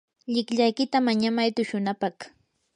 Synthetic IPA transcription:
ʎɪkʎajkɪt̪amaɲamajt̪ʊʃʊnapɑχ

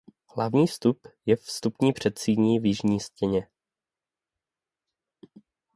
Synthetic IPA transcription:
hlavɲiːfst̪upjɛfst̪upɲiːpr̝̥ɛt̪siːɲiːvjɪʒɲiːscɛɲɛ

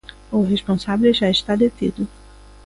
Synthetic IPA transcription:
oɦeʃpõsabeleʒaiʃt̪ad̪et̪ḭd̪ʊ

